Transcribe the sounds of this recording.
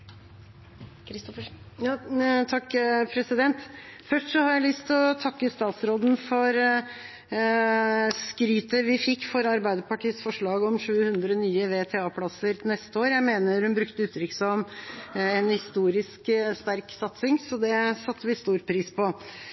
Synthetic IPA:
ɾf | jɑt̪ʰɑkːpʰɾɛsɪd̪ɛnt̪fœʂʈʂɔhɑɾjæɪlʏst̪ʰɔt̪ʰɑkːəst̪ɑːt̪sɾoːd̪n̩fɔɾ | skɾyːt̪əʋɪfɪkːfɔɾɑɾbæɪd̪əpɑʈiːəsfɔʂɭɑːɡɔmʂʉːhʉnd̪ɾɔnyːəʋeːt̪ʰɛɑːpʰlɑsəɾnɛst̪əoːɾjæɪmeːnəɾhʉnbɾʉkt̪əʉːt̪ʰɾʏkːsɔm | ɛnhɪst̪uːɾɪskst̪æɾksɑt̪sɪŋsɔd̪ɛsɑt̪ʰːəʋɪst̪uːɾpʰɾiːspʰɔ

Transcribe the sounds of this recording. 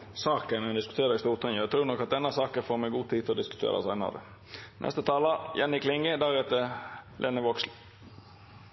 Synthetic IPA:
sɑːkənɛnd̪ɪskʉt̪ʰeːɾəɪst̪uːɾt̪ʰɛnəæt̪ʰɾʉːɾnɔkːɑt̪̚d̪ɛnːɑsɑːkəfoːɾmɛɡuːt̪ʰiːt̪ɪlɔd̪ɪskʉt̪ʰḛːɾʔɑ̰sɑɪnɑ̰d̪ə̰ | nʔɛ̰st̪ət̪ʰɑːlɑjɛnːɪkʰlɪŋɡəd̪æːhɛːt̪əlʔenəʋɔksl

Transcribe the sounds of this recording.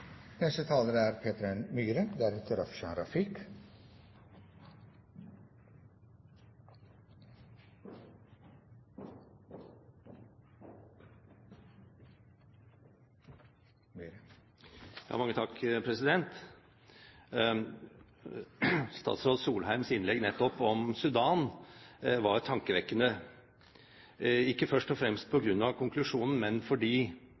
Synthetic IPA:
nɛst̪ət̪ʰɑːləɾəæɾpʰeːt̪əɾənmyːɾənd̪æɾɛt̪ʰəɾɑfʃɑnɾɑfɪk | jɑ̰ːmɑŋːət̪ʰɑkːpʰɾɛsɪd̪ɛnt̪ | st̪ɑ̰ːt̪sɾoːd̪suːlhæɪmsɪnlɛɡnɛt̪ːɔpɔmsʉd̪ɑːn | ʋɑɾt̪ʰːɑŋkəʋɛkːənə | ɪkːəfœʂʈɔfɾɛmst̪̚pʰɔɡɾʉnːɑʋkʰʊŋklʉʂuːnn̩mɛnfɔɖiː

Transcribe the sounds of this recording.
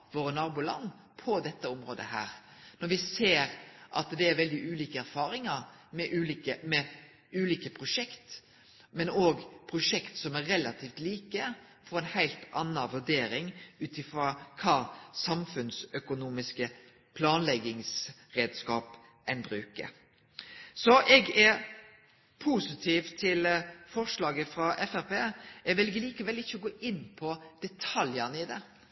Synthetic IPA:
ʋoːɾənɑːɾbuːlɑ̰nː | pʰɔd̪ɛt̪ːəʊmɾo̰ːd̪ə̰hæ̰ːɾnɔɾʋɪseːɾʔɑ̰t̪d̪ɛæɾʋɛld̪ɪʔʉːliːkəæɾfɑːɾɪŋɑɾmɛʔʉːliːkəmɛ | ʉːliːkəpʰɾʊʂɛkt̪ | mɛnoːɡpʰɾʊʂɛkt̪sɔmæɾɾɛlɑt̪ʰiːft̪liːkə | fɔɾɛnhæɪlt̪ɑnːɑʋʉɖeːɾɪŋʉːt̪ɪfɾɑkʰɑːsɑmfʉnsœkʊnuːmɪskə | pʰlɑːnlɛɡɪŋs | ɾeːd̪skɑːp | ʔɛnbɾʉːkə̰ɾ | sɔʔɛɡɛ | pʰusɪt̪ʰiːʋt̪ʰɪlfɔʂlɑːɡəfɾɑʔɛfæɾpeːɛɡʋɛlɡəliːkəʋɛlːɪçːəɔɡoːʔɪnːpʰɔd̪̥ɛt̪ʰɑljɑnɪd̪ɛ

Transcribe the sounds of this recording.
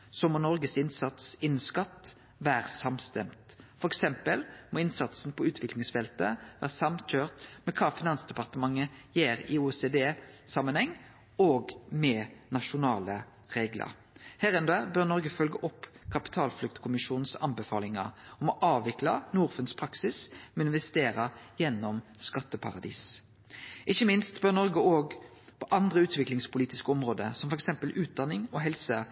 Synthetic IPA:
sɔmɔːnɔɾɡəsɪnsɑt̪sɪnːskɑt̪ː | ʋæːʁsɑmst̪ɛmt̪ | fɔɾɛksɛmpəlmɔɪnsɑt̪sn̩pʰɔʉːt̪ʋɪklɪŋsfɛlt̪ə̰ʋæ̰ːʁsɑmc͡çøːʁt̪mɛkʰɑːfɪnɑnsd̪ɛpɑʁt̪əmɑŋːəjeːɾɪuɛseːd̪eːsɑmːənhɛŋː | oːɡmɛnɑʃʊnɑːlə | ʁeːɡlə̰ɾ | hæɾɛnd̪øbœʁnɔɾɡəfœlɡəʔɔpːkʰɑpɪ̥t̪ʰɑːlflʉk̚t̪kʰʊmɪʃuːn̩sɑ̰nbəfɑːlɪŋɑ̰ɔmɔʔɑːʋʋɪklɑnuːʁfʉnspʰʁɑksɪsmɛɪnʋɛst̪eːɾəjɛnːɔmskɑt̪ːəpʰɑ̰ʁɑd̪ḭːs | ʔɪçːəmɪnst̪bœʁnɔʁɡəoːɡ | pʰɔʔɑnd̪ʁəʉːt̪ʰʋɪklɪŋspʊliːt̪ɪskəɔmʁoːd̪ə̰sɔmfɔʁɛksɛmpəlʔʉːt̪̚d̪ɑnːɪŋɔɦɛlsə

